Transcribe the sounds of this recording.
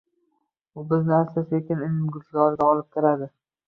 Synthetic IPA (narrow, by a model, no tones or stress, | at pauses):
ʊbɪznɪaslɪsekʲɪnɪnɪmɡʲʊlt̪ɪɡʲɒɾɪɡʲaɒlˠɪp̚kʲʰɪɾad̪ɪ